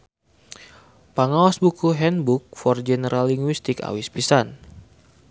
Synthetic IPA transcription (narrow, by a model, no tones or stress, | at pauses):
paŋawasbukuɦɛnbuk̚fɔrd͡ʒɛnəɾʔalːiŋɡwist̪ika̰wispisan